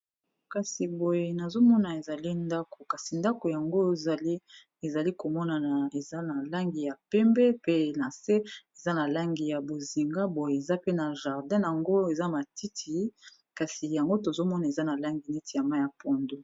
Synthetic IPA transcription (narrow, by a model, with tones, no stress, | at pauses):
ka˨si˨bo˨je˦na˨zo˦mɔ˦na˨e˨za˨li˦nda˦ko˨ka˨si˨nda˦ko˨ja˨ŋɡo˦˨za˨l | e˨za˨li˦ko˨mɔ˦na˨na˨e˨za˦na˨la˦ŋɡi˨ja˨pɛ˦mbɛ˦pe˦na˨se˦e˨za˦na˨la˦ŋɡi˨ja˨bo˨zi˨ŋɡa˦bo˨je˨e˨za˦pe˦na˨ʒa˨ʁdɛ̃˦ja˨ŋɡo˦e˨za˦ma˨ti˦tʰi˨ | ka˨si˨ja˨ŋɡo˦to˨zo˦mɔ˦na˨e˨za˦na˨la˦ŋɡi˨nɛ˦ti˨ja˨ma˦ja˨po˨ndo˦